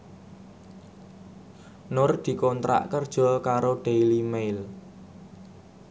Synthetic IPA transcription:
nʊrd̪̥i̤kɔnt̪ɾa̰ʔkərd̥ʒ̥ɔ̤kaɾoɖ̥ejlimejl

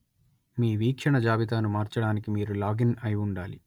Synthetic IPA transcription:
miːʋiːkʂɐɳɐd͡ʒaːʋit̪aːnumaːɾt͡ʃɐɽaːnikimiːɾulaːɡinɐjuɳɖaːlḭ

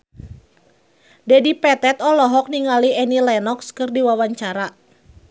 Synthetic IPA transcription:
dɛdipɛt̪ɛt̪ɔlɔɦɔk̚niŋaliɛnilɛnɔkskɨrdiwawaɲt͡ʃaɾa

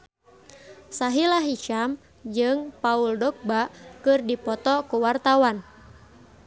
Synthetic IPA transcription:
saɦilaɦit͡ʃam | d͡ʒɨŋpauldɔk̚bakɨrdipɔt̪ɔkuwart̪awan

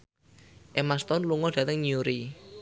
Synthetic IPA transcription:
ʔemast̪ɔnluŋɔd̥a̤t̪əŋɲuɾi

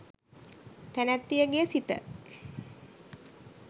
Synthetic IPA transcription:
t̪ænæt̪ːijəɡeəsit̪ə̰

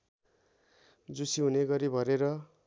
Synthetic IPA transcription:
d͡zusiɦuneɡʌɾibʱʌɾeɾʌ

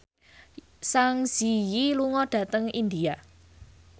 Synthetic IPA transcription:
saŋz̥ijiluŋɔɖ̥ä̤t̪əŋind̪ia

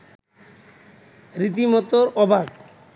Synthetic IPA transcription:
ɾit̪imɔt̪oɾɔbʱaɡ

